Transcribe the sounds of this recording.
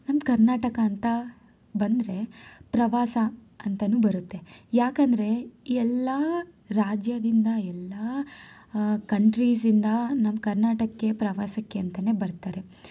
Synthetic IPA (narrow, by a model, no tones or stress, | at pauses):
nɐmkɐɾnaːʈɐkɐːnt̪ɐ | bɐnd̪ɾe̞pɾɐʋaːsɐ | ɐnt̪ɐnuːbɐɾut̪ːejaːkɐnd̪ɐɾe̞iɛlːɐ | ɾaːd͡ʒjɐd̪ind̪ɐɛlːɐ | kɐɳʈɾiːs̬d̪ind̪ɐnɐmkɐɾnaːʈɐkːepɾɐʋaːsɐkːeɐnt̪ɐne̞bɐɾt̪aːɾe̞